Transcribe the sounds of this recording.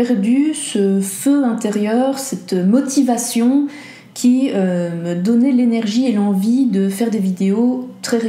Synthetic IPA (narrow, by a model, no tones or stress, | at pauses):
ɛʁd̪ysəføɛ̃t̪eʁjœːʁsɛt̪mɔt̪ivasjɔ̃ | kʲʰiød̪ɔnɛlenɛʁʒielɑ̃vid̪əfɛʁd̪evid̪eot̪χɛʁe